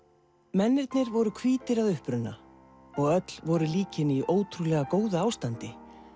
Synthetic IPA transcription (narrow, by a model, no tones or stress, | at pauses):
mɛnːɪɾt̪nɪɾvɔɾʏkʰviːt̪ɪɾaðʏhpɾʏnːa̰ | ɔɣœt̪l̥vɔɾʏliːcɪniʔoːwt̪ʰɾulɛːɣakoːwðaaːwst̪ant̪ɪ